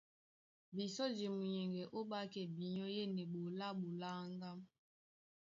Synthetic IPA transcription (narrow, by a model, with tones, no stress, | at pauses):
bi˨sɔ˦d͡ʒi˨mu˨ɲɛ˨ŋɡɛ˨ʔo˦ɓa˦kɛ˨bi˨ɲɔ˦je˦ni˨ɓo˨la˦ɓo˨la˦ŋ˦ɡa˦m